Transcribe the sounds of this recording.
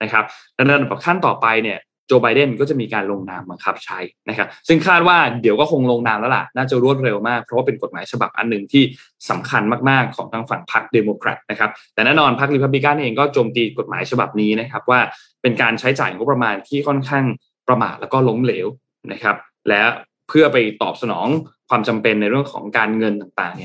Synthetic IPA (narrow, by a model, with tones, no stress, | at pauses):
na˦˥kʰa˦˥p̚lɛ˦˥˧dba˨˩kʰa˥˩nt̪ɔː˨˩pa˧jni˥˩ɐ | t͡ɕoː˧ba˧jde˥˩nkɔ˥˩t͡ɕa˨˩miː˧kaː˧nlo˧ŋnaː˧mba˧ŋkʰa˦˥p̚t͡ɕʰa˦˥jna˦˥kʰa˦˥p̚sɯ˥˩ŋkʰaː˥˩t̪̚waː˥˩di˩˦kɔː˥˩kʰo˧ŋloː˧ŋnaː˧mlɛː˦˥la̰˨˩ʔnaː˥˩t͡ɕa˨˩ɾu˥˩ət̪̚ɾe˧wmaː˥˩k̚pʰɾɔ˦waː˥˩pe˧nko˨˩t̪̚maː˩˦jt͡ɕʰa˧ba̰˨˩p̚ʔa̰˧nːɯ˨˩ŋt̪ʰiː˥˩ | sa˩˦mkʰa˧nmaː˥˩k̚maː˥˩kʰːɔː˩˦ŋʰaː˧˥ŋfa˨˩˦ŋpʰa˦˥k̚deː˧moː˧kʰɾa̰˨˩t̪̚na˦˥kʰa˦˥p̚t̪ɛː˨˩nɛː˥˩nɔː˧npʰa˦˥k̚ɾi˧pʰa˦˥p̬̚li˦˥ka˥nʔeː˧ŋkɔː˥˩t͡ɕoː˧mt̪iː˧ko˨˩t̪̚maː˩˦jt͡ɕʰa˧ba̰˨˩p̚niː˦˥na˦˥kʰa˦˥p̚waː˥˩ | pe˧nkaː˧nt͡ɕʰa˦˥jt͡ɕaː˨˩jŋo˦˥pːɾa˧maː˧nt̪ʰiː˥˩kʰɔ˥˩nkʰaː˥˩ŋ | pɾa˧ma̰ː˨˩t̪̚lɛː˦˥wkɔː˥˩lo˦˥mleː˩˦w | na˦˥kʰa˦˥p̚ | lɛː˦˥w | pʰɯ˥˩ɐpa˧jt̪ɔ̰ː˨˩p̚sa˧nɔ̰ː˩˦ŋkʰwaː˧mt͡ɕa˧mpe˧nːa˧jɾɯ˥˩əŋkʰɔ̰ː˩˦ŋkaː˧nŋɤ˧nt̪aː˨˩ŋt̪a̰ː˨˩ŋni˥˩ɐ